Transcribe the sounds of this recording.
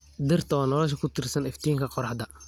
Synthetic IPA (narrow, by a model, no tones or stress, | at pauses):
d̪ɪrt̪ɔnɔlɔʃ̬ɐkʰʊt̪ɪrsɐnɪft̪ijɪŋkʰɐqɔɾɐħd̪ɐ